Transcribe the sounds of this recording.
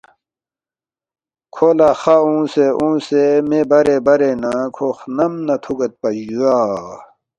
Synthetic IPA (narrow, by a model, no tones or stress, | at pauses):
kʰoːlaːxaũːseʔũːsemẽbɐɾebɐɾenãkʰoxnɐmnɐt̪ʰuɡɐt̪̚pɐd͡ʑuaː